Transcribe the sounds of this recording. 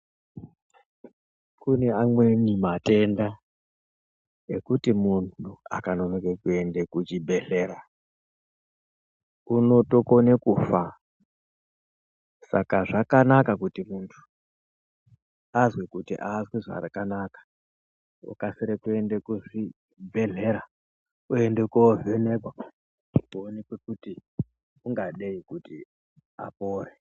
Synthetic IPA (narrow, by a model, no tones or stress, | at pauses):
kune̞amwe̞nimate̞nda | ekutimuntʰua̰kano̞nokekue̞ndekut͡ʃibe̞ɬe̞ːɾa | uno̞to̞ko̞nekuːfa | sakaʐakanakakutimuntʰu̥ | azwekutḭʔaːzwiʐa̰rakanakḁ | ṵkasiɾekuendekuʐi | bʱe̞ɮe̞ɾa | uendekuovenekwa | kuonekwekuti | uŋɡaɗeikuti | a̰poːre